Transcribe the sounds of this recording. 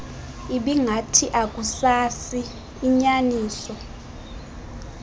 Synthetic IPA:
iɓiŋɡʱatʰiʔakʼusasiː | ɲaniːsɔ

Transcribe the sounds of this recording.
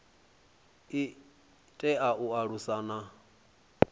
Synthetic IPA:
i | tʼɛʔaʔuaɺusana

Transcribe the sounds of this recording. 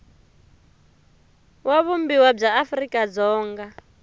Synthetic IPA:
waβumbiwab͡ʐaːfrikʼad͡zɔːŋɡa

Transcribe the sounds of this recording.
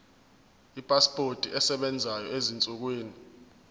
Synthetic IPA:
ipʼaspʼotʼiʔɛsɛɓɛnd͡zʱajɔezint͡sʼuk̬wiːni

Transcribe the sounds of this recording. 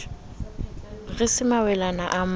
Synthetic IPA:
ɣɪsɪmawɛlanaʔam

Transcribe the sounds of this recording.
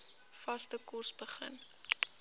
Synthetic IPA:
fɐstəkɔrsbəχə̰n

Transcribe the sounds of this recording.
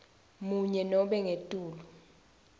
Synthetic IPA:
muɲɛnɔɓɛŋetʼuːlu

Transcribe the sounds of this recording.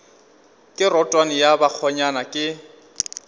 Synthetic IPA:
kʼɪrɔtʼwanɪjabak͡xʰɔɲanakʼɪ

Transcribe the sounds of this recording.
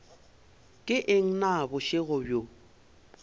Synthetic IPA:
kʼɪʔɪŋ̩nabʊʃɪɣʊbjo

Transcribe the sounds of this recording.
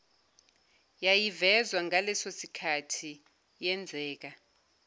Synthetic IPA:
jajivɛzwaŋalɛsosikʰatʰi | jɛnd͡zʱɛːk̬a

